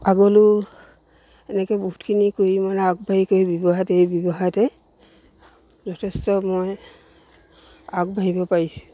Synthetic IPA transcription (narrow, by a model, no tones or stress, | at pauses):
aɡɔlu | ɛnɛkɛbɔɦutkʰinikojimanaɡbaɦikoibibɔɦatejbibɔɦatɛ | zɔtʰɛstɔmɔj | aɡbʱaɦibɔpaɹisũ̥